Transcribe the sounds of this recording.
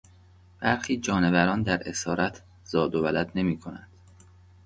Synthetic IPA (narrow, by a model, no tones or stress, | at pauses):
b̥æɾxiːd͡ʒɒːne̞væɾɒːnd̪æɾʔe̞sɒːɾʔæt̪ʰ | zɒːd̪ovælæd̪ne̞miːkʰo̞næ̰nd̪̥